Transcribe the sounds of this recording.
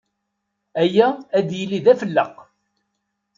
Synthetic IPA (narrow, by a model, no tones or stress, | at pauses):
æjæːd̪jəlːiðæfəlːəq